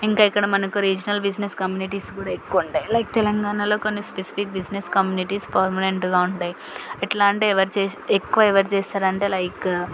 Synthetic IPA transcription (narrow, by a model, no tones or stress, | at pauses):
iŋkaːikːɐɽɐmɐnɐkuɾiːd͡ʒɐnɐlbid͡ʒneskɐmjuːniʈiːskuːɽaːekːuuɳʈaːjilɐjk̚t̪ɛlɐŋɡaːnalo̞ːko̞nːispesi̥pik̚bid͡ʒneskɐmjuːniʈiːspɐɾmɐneɳʈɡaːuɳʈaːji | iʈlaːɳʈeɛʋɐɾit͡ʃeːekːuʋaːɛʋɐɾt͡ʃɛːsaːɾɐɳʈeːlɐjk